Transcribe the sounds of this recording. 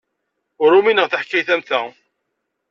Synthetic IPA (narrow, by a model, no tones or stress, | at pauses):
ʊɾːuminəʁθəħkːæjθæmθæ